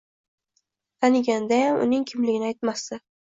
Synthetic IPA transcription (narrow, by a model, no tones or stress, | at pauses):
t̪ʰanɪɡʲand̪ajamʊ̰nɪŋkʲʰɪmlɪɡʲɪnɪajt̪mast̪ɪ